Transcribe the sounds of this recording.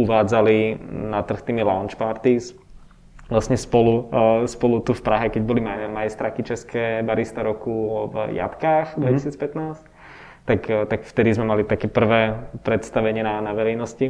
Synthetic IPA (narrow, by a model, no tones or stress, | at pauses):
uʋaːd͡zalinat̪r̩xt̪iːmilaʊnt͡ʃpaɾt̪is | ʋlasɲɛspɔluspɔlut̪ufpɾaɦɛkɛɟbɔlimamajɛst̪ɾaːkit͡ʃɛskɛːbaɾist̪aɾɔkuvja̰t̪kaːxd̪ʋɛcisiːt͡spɛt̪naːsc | t̪akt̪akft̪ɛd̪izmɛmalit̪akɛːpr̩ʋɛːpɾɛt̪st̪aʋɛɲɪɛnanaʋɛɾɛjnɔsci